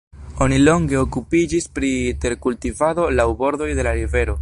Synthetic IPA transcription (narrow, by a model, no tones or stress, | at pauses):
o̞nilo̞ŋɡe̞okupid͡ʒispɾite̞ɾkultivado̞lawbo̞ɾd̪o̞jde̞laɾive̞ɾo̞